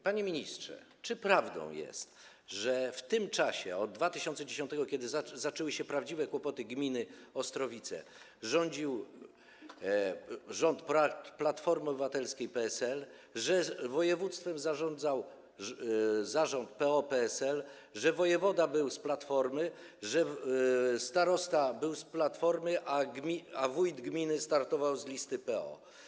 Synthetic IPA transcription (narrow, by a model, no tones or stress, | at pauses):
paɲemʲiɲistʂɛ̰ | t͡ʂɘpɾavd̪ɔ̰̃w̃jɛ̰st̪ | ʐɛft̪ɘmt͡ʂaɕɛ̰ɔd̪ːvat̪ɘɕɔnt̪sɛd͡ʑeɕɔnt̪ɛɡɔkʲɛd̪ɘzazat͡ʂɛwɘɕɛpɾavd͡ʑivɛkwɔpɔt̪ɘɡmʲinɘɔst̪ɾɔvʲit̪sɛ̰ | ʐɔɲd͡ʑiw | ʐɔnt̪pɾat̪plat̪fɔɾmɔbɘvat̪ɛlskʲejpɛɛsɛl | ʐɛvɔjɛvut̪st̪fɛmzaʐɔnd̪zaw | zaʐɔnt̪̚pɛɔpɛɛsɛl | ʐɛvɔjɛvɔd̪abɘwsplat̪fɔɾmɘ | ʐɛ | st̪aɾɔst̪abɘwsplat̪fɔɾmɘʔaɡʲavujd̪ɡmʲinɘst̪aɾt̪ɔvawzlʲist̪ɘpɛɔ̰